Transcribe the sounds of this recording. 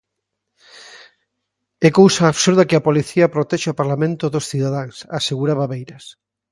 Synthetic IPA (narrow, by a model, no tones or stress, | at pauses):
ɛkowsaːβsuɾðɐkɪapoliθiɐpɾot̪ɛʃaopaɾlamẽnt̪ʊðosθiðaðaŋsaseɣuɾaβaβejɾɐs